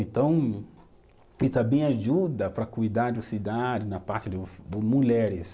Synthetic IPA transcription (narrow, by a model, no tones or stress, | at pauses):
ẽt̪ɐ̃w̃ | ɪt̪ɐ̃bẽj̃aʒud̪ɐpɾɐkujd̪aɾd͡ʒʊsid̪ad͡ʒɪnɐpaɾt͡ʃɪd̪ʊd̪ʊmuʎɛɾɪs